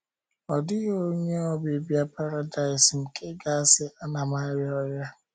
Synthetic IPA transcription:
ɔ˨dɪ˦ɣo˦ɲe˦ɔ˦bɪ˨bja˦pa˦ɾa˨da˨ɪ˨sŋ̩˨kʰe˦ɡa˦a˨sɪ˦ʔa˦na˨ma˦ɾɪ˦ɔ˦ja˦

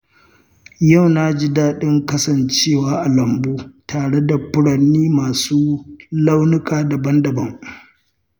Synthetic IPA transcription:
jɐ˦˨wnaː˦d͡ʒɪ˦daː˦ɗɪ˦ŋkɐ˦sɐ˨nt͡ʃeː˦˨waː˦ʔa˨lɐ˨mboː˦tʰaː˨ɽe˦da˨pʊ˦ɽɐ˨nːiː˦maː˨suː˦la˦wnʊ˦kaː˨da˨bɐ˦ndɐ˨bɐ˦ŋ

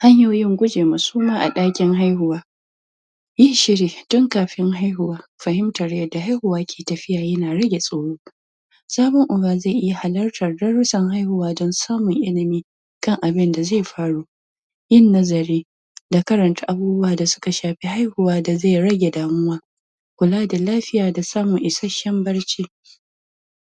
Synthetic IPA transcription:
ha˦ɲjoː˨jɪ˦ŋɡʷʊ˦d͡ʒeː˨ma˨suː˦maː˦ʔa̰˨ɗaː˦kʲɪ˦ŋɦa˦jhʊ˨waː˦ | jɪ˦ʃɪ˦ɽiː˨d̥ɔ˦ŋkaː˨ɸɪ˦ŋɦa˦jɦʊ˨waː˦ɸɐ˨hɪ˦mtɐ˨ɾjɐ˨da˨ɦa˦jhʊ˨waː˦kʲʰe̥ː˨tɐ˨ɸɪ˦jaː˨jɐ˦naː˨ɽɐ˦ɡʲe˨sʼoː˨˦ɽoː˦ | saː˦bʊ˦ŋʔʊ˨baː˨ze˦˨ʔɪ˦ja˨ha˨lɐ˦rtɐ˨rdɐ˦ɽʊ˦sɐ˨ŋha˦jhʊ˨waː˦dɔ˦nsaː˦mʊ˨ŋʔɪ˦lɪ˨miː˦ | kɐ˦ŋʔa˨bɪ˦nda˨ze˦˨jɸaː˦ɽuː˦ | jɪ˦˨nːɐ˦zɐ˨ɾeː˦ | da˨kɐ˦ɾɐ˨nta˦ʔa˦buː˦bʊ˦waː˨da˨sʊ̥˦ka˨ʃaː˨ɸi˦ha˦jhʊ˨waː˦da˨za˦˨jɾɐ˦ɡʲe˨daː˨mʊ˦waː˦ | kʷʊ˨laː˦da˨laː˦ɸɪ˦jaː˨da˨saː˦mʊ˨ŋʔɪ˨sɐ˦ʃɐ˦mbɐ˦ɽt͡ʃiː˦

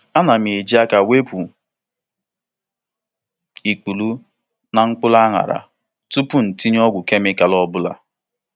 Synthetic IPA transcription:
a˦na˨m˨e˨d͡ʒi˦a˦ka˨we˦pu˨ | i˨ku˨lu˦ | na˨ŋ̩˦k͡pʊ˦la˦ŋa̰˨ɾa̰˨ | tu˦pʊ˦n̩˨ti˦ɲ˦ɔ˦ɡʷʊ˨ke˦mɪ˦ka˨lɔ˦bʊ˦la̰˨

